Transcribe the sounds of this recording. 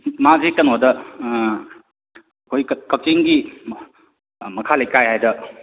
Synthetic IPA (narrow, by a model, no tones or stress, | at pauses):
mazekɐnɔdɐ | kʰojkɐk̚t͡ʃiŋɡi | mɐkʰalejkajhajdɐ